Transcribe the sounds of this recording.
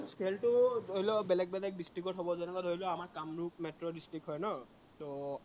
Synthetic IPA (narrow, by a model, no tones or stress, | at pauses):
skʰeltʊoɦilɔbɛlɛk̚bɛlɛk̚disʈɹikɔtɦobɔzɛnɛkatoɦilɔamaɹkamɹuk̚metɹɔdistɹikɦɔjnɔ | to